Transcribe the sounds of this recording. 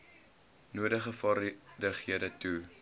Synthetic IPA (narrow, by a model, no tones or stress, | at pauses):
nuədəχəfɐrdəχiədətu